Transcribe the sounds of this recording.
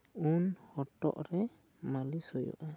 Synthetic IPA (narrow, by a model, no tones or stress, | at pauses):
unhɔʈɔ̰ʔɾɛ | malisɔjɔ̰ʔa